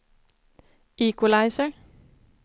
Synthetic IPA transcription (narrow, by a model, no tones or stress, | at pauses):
ikʊlɑɪsə